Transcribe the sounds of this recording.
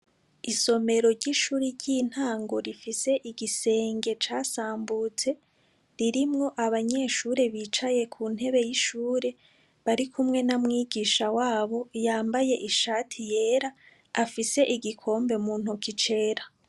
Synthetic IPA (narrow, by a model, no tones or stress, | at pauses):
iso̞me̞ɾo̞ɾɟiʃuːɾiɾɟin̥haːŋɡo̞ɾifise̞ʔiɡise̞ːŋɡe̞t͡ʃaːsaːmbuːt͡se̞ | ɾiɾimŋo̞ʔaβaɲe̞ʃuːɾe̞βiːt͡ʃaje̞kʰun̥he̞βe̞jiʃuːɾe̞ | βaɾikʰumŋe̞namŋiːɡiːʃawaːβo̞jaːmbaje̞ʔiʃaːtʰije̞ːɾaː | fise̞ʔiɡikʰo̞ːmbe̞muːn̥ukit͡ʃe̞ɾa